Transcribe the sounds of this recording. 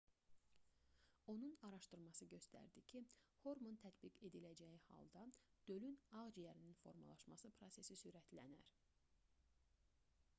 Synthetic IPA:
o̞nunɑɾɑʃt̪ɯɾmɑsɯɟø̞st̪æ̰ɾd̪icʰiho̞ɾmont̪ʰæt̪biɡe̞d̪ilæd͡ʒæjihɑ̰lˠd̪ɑd̪̥ø̞lynɑʁd͡ʒijæɾininfo̞̰ɾmɑ̰lˠɑʃmɑsɯpʰɾo̞se̞sisyɾæt̪ʰlæ̰næ̰ɾ

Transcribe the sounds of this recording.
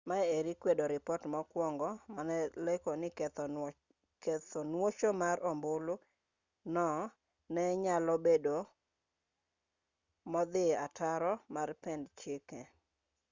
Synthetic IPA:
maɛeɾikwedoɾɪpɔtmɔkwɔŋɡɔmanɛlekonɪ | ktɔnwot͡ʃomaɾɔmbʊlʊ | nɔ | nɛɲalɔbedo | mɔd̪ɪataɾɔmarpɛndt͡ʃɪkɛ

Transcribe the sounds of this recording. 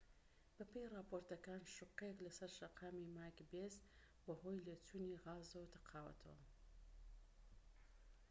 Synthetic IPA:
b̥ɐpʰejrapoɾt̪ɐkaːnʃʊqːeklɐsɐɾʃɐqʰaːmimaːjkbez | bɐɦojletʰuniɣaːzɐwt̪ʰɐ̥qʰaːwɐ̰t̪ʰɐ̰wɐ̰

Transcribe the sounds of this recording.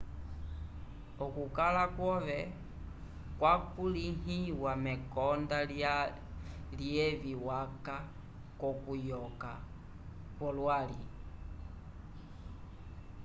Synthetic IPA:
ɔkukalakwɔvɛ | kwakuliŋiwamɛkɔnda | liɛviwaka | kɔkujɔka | kwɔlwali

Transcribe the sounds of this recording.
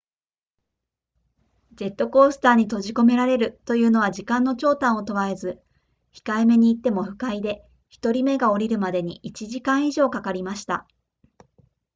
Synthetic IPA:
d͡ʑe̞t̪ːo̞ko̞ːsɨ̥t̪aːɲ̟it̪o̞ʑiko̞me̞ɾaɾe̞ɾɯ̟t̪o̞jɯ̟ːno̞βaʑikãnːo̞t͡ɕo̞ːt̪ãɰ̃o̞t̪o̞βae̞zɨ | çi̥kaeme̞ɲ̟iːt̪ːe̞mo̞ɸɯ̟̥kaid̪e̞ | çi̥t̪o̞ɾʲime̞ɡao̞ɾʲiɾɯ̟mad̪e̞ɲ̟ḭʔit͡ɕiʑikãɰ̃iʑo̞ːkakaɾʲimaɕi̥t̪a̰

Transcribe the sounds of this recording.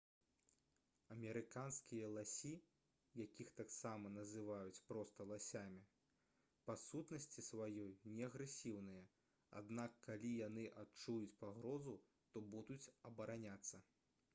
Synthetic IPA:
ɐmʲɛɾɨkanskʲijɐlˠasʲi | jakʲixt̪aksamɐnɐzɨvajut͡sʲpɾɔst̪ɐlˠasʲamʲi | pasut̪nɐsʲt͡sʲisvajɔjnʲɛɐɣɾɛsʲiwnɨjɐ | a̰d̪nakːalʲijanɨʔatt͡ʂujut͡sʲpaɣɾɔzu | t̪ɔbud̪ut͡sʲɐbɐɾanʲat̪sːɐ

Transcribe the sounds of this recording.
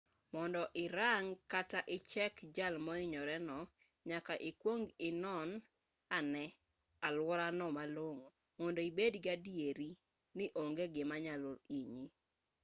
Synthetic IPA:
mɔndɔʔɪɾaŋkataʔɪt͡ʃɛkd͡ʒalmɔɪɲɔɾɛnɔ | ɲakaʔɪkwoŋɡɪnɔn | anɛ | alwɔɾanɔmaloŋo | mɔndoibedɡadieɾi | nɪʔoŋɡeɡɪmaɲaloiɲi

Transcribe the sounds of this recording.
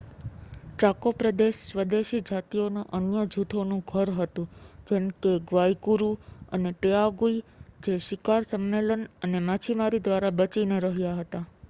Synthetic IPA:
t͡ʃakopɾəd̪eʃsʋəd̪eʃid͡ʒat̪ijonoʔənjəd͡ʒʱut̪ʰonũɡʱəɾɦət̪ũd͡ʒɛɳkeɡʋaikuɾuəneʈeaɡuid͡ʒeʃikaɾsəmːelənənemat͡ʃʰimaɾid̪ʋaɾabət͡ʃineɾəɦjaɦət̪a

